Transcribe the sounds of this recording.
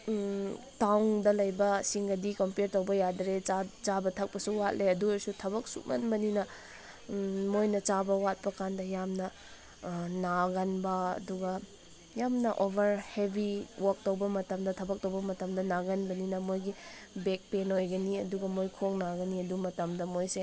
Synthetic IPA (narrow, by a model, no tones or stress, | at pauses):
tawŋdɐlɐjbɐsiŋɡɐdikɐmpeɾtɐwbɐjadɾet͡ʃabɐtʰɐk̚pɐsuwat̚leɐdueɾsutʰɐβɐk̚sṵt̚mɐnbɐninɐ | mojnɐt͡ʃabɐwat̚pɐkʰandɐjamnɐ | naɡɐnbɐɐ̰duɡɐ | jamnɐʔobʱɐɾhebʱiwʔak̚towbɐmɐtɐmdɐtʰɐbɐk̚towbɐmɐtɐmdɐnaɡɐnbɐninɐmojɡibek̚penojɡɐniɐduɡɐmojkʰoŋnaɡɐniɐdumɐtɐmdɐmojse